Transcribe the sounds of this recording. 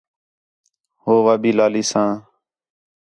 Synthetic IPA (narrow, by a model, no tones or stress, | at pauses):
ɦoːʋaːbiːlaːliːsãː